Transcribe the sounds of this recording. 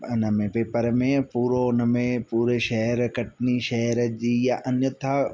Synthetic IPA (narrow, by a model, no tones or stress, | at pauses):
ɐnɐmẽpeːpəɾmẽpuːɾonɐmẽpuːɾeʃɐɦɾkɐʈniʃɐɾd͡ʒijaʔɐnjɐt̪ʰa